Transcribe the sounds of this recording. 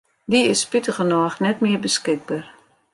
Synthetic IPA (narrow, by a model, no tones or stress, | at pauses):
diɪspɪtəɣənɔːxnɛtmɪəbəskɪɡ̚bar